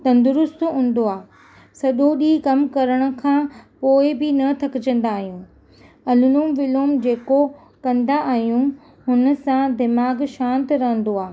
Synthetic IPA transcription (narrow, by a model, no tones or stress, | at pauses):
t̪ɐ̃nd̪ʊɾʊst̪ɦũːn̆d̪oaː | sɐɗoɗikɐmkɐɾəɽ̃ʊ̆kʰãːpoːɪbɪnɐt̪ʰɐkɪd͡ʑə̃nd̪aːɦijũ | ɐlʊnuːmʋɪloːmd͡ʑeːko | kɐ̃nd̪aʔaːɦijũ | ɦʊnə̆sãd̪ɪmaːɡʃãːnt̪ɾɐɦə̃nd̪oaː